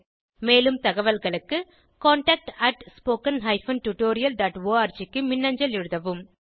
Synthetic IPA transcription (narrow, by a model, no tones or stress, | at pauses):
meːlɯmt̪ɐɣɐʋɐlɣɐɭɯkːɯ | koːɳʈaːk̚ʈɐʈspoːkɐnɦɐɪfɐnʈuʈoːɾɪjɐld̪ɐʈʋoːaːɾt͡ʃɪkːɯmɪnːɐɲd͡ʒɐlɪɻɯðɐʋɯm